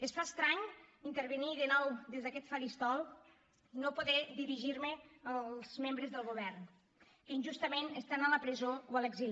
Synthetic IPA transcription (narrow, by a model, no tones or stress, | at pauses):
əsfast̪ɾaɲint̪əɾβəniðənɔwðezðəkɛt̪faɾist̪ɔlˠ | nopoðɛðiɾiʒiɾməəlˠzmembɾəzðəlˠɣuβɛrn | keinʲʒust̪əmenəst̪analəpɾəzowələɡzil